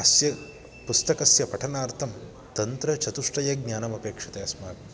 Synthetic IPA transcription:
ɐsjɐ | pust̪ɐkɐsjɐpɐʈʰɐnaːɾt̪ʰɐm | t̪ɐnt̪ɾɐt͡ʃɐt̪uʂʈɐjɐɡnaːnɐmɐpeːkʂɐt̪eɐsmaːk

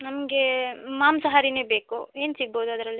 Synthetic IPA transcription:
nɐmɐɡemaːmsɐɦaːɾineːbeːkue̞ːnsiɡ̚boːd̪uɐd̪ɾɐlːi

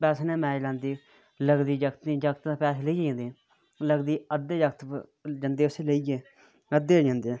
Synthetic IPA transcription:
pɛːseːnẽːmɛ̃ːd͡ʒlãːnd̪iː | ləɡd̪iːd͡ʒəkt̪nĩːd͡ʒəkt̪d̪aːpɛːseːləiːãːnd̪eː | ləɡd̪iːəd̪eːd͡ʒəkt̪d͡ʒənd̪eːʊseːləiɡeː | əd̪eːd͡ʒãːnd̪eː

